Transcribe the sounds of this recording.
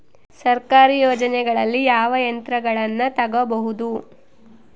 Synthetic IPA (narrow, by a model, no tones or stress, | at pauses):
sɐɾkaːɾijɔːd͡ʒɐnɛɡɐɭɐlːijaːʋɐjɐnt̪ɾɐɡɐɭɐnːɐt̪ɐɡɐbɐɦud̪u